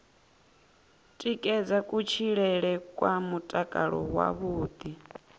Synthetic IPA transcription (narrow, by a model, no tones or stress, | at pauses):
tʼikʼɛd͡zakʼut͡ʃʰiɺɛɺɛkʼwamutʼakʼaɺɔ̰wa̰βuːd̪̥i